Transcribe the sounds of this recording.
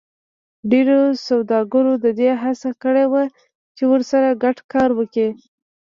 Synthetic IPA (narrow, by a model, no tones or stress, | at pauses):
ɖeɾosawd̪ɑɡəɾod̪əd̪eɦasakəɽewa | t͡ʃewəɾsaɾaɡaʈkɑɾwəki